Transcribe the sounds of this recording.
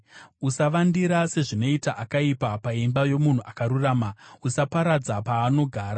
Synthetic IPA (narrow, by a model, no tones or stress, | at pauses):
usaʋandiɾase̞ʐino̞itaʔakaipapaimbajo̞mun̤uʔakaɾuraːmausapaɾad͡zapaːno̞ɡʱaːɾa